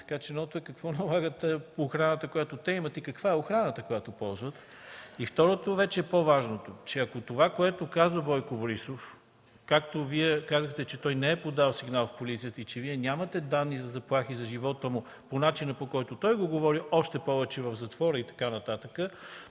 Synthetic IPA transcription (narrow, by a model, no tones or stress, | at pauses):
t̪ɐ̥kat͡ʃɛnɔt̪oɛkɐkvɔnɐlˠaɡət̪ɛoxɾanət̪əkojat̪ot̪ɛimət̪ikəkv̥aɛoxɾanət̪əkojat̪opɔlˠzvət̪ | ift̪ɔɾot̪ovɛt͡ʃɛːpovaʒnot̪ot͡ʃɛɐkot̪ovakoɛt̪okazvəbɔjkoboɾisof | kakt̪oviɛkazəxt̪ɛt͡ʃɛt̪ɔjnɛɛpod̪alˠsiɡnalˠfpolit̪sijət̪əit͡ʃɛviɛnʲamət̪ɛd̪anːizɐzɐplˠaxizɐʒivɔt̪əmu | ponat͡ʃinəpokɔjt̪ot̪ɔjɡoɡovɔɾiʔɔʃt̪ɛpɔvɛt͡ʃɛvəvzɐt̪vɔɾəit̪ɐ̥kanɐt̪at̪əkə